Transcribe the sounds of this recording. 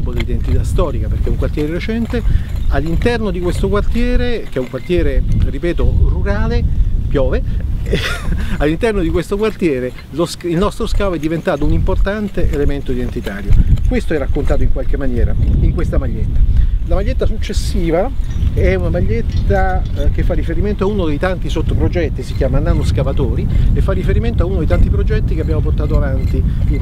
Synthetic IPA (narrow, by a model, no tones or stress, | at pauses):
pːod̪elid̪ent̪it̪ast̪ɔːɾikaperk̟ɛuŋkwart̪jɛːɾeɾet͡ʃɛnt̪ealːint̪ɛrnod̪ikwest̪okwart̪jɛːɾek̟eɛuŋkwart̪jɛːɾeripɛːt̪oruɾaːlepjɔːve | alːint̪ɛrnod̪ikwest̪okwart̪jɛːɾe | losilnɔst̪ɾoskaːvoɛd̪ːivent̪aːt̪ounimport̪ant̪eʔelement̪oid̪ent̪it̪aːɾjo̰kwest̪oɛrːakːont̪aːt̪oiŋkwalk̟emːanjɛːɾaiŋkwest̪amaʎːet̪ːḁlamaʎːet̪ːasut͡ʃːesːiːvaɛunamaʎːet̪ːa | k̟efːarːifeɾiment̪oaunod̪ejt̪ant̪isot̪ːopɾod͡ʒɛt̪ːisikjaːmananoskavat̪oːɾiefːarːifeɾiment̪oaunod̪ejt̪ant̪ipɾod͡ʒɛt̪ːikeabːjamoport̪aːt̪oavant̪i